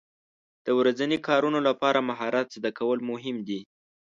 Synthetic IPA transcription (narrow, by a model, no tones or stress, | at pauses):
d̪̥əwɾazanikɑɾunolapɑɾamaɦɑɾat̪zd̪akawəlmʊɦɪmd̪i